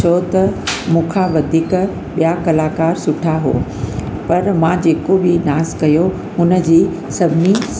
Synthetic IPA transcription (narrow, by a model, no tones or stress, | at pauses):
ot̪ɐmũːkʰaʋɐd̪ʱiːk | ɓijakɐlaːkaːɾsʊʈʰaɦo̰ː | pɐɾmãːd͡ʑeːkobɪnaːzkɐjo | ɦʊnə̆d͡ʑiː | sɐbʱɪnis